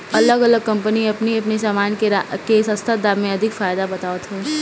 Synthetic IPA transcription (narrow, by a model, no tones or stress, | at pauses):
ɐləɡɐləɡ̚kɐ̃mpəniɐpniɐpnesaːmaːnkeɾakesɐ̃st̪ʰad̪aːmẽɐd̪ʱɪkfaːjd̪abɐt̪aːʋət̪ɦeː